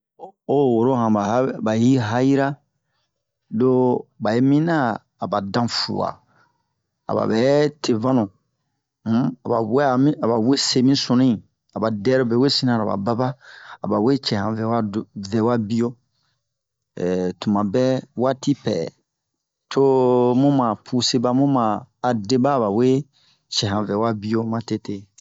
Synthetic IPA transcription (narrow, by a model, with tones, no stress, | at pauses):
o˦wo˨ɾo˦ɦã˨ba˨˦ba˨ji˦ɦa˦ji˦ɾa˦ | do˦ba˨je˦mĩ˦nãː˦˨ | ba˨dã˦fṵ˨wa̰˨ | a̰˨ba̰˨bɛ˨˦tʰe˨vã˦nũ˨˦ | a˨ba˨wɛ˦a˨mĩ˦a˨ba˨we˦se˦mĩ˦sõ˨nĩ˦˨ | a˨ba˨dɛ˦ɾo˦˨bɛ˨we˦sĩ˦nã˨ɾa˨ba̰˨ba˦ba˦a˨ba˨we˦t͡ʃɛ˨hã˨vɛ˨wa˦vɛ˨wa˦bi˦jo˦ | ɛ˨tũ˨mã˨bɛ˦wa˦ti˦pɛ̰˨ | tʰo˦mũ˦mã˨pʰu˦se˦ba˦mũ˦mãː˨de˦ba˦˨βa˨we˦ | t͡ʃɛ˨ɦã˨vɛ˨wa˦bi˦jo˦mã˦te˦te˦